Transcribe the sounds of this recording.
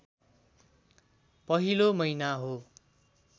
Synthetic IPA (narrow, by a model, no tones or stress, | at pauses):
pʌɦilomʌjnaɦo